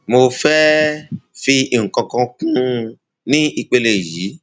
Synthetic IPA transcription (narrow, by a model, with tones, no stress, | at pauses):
mo˧fɛ˦ | fi˧˨ŋ̩˨kã˨kɔ̃˧kũ˦ | nĩ˦i˧k͡pe˧le˨ji˨˦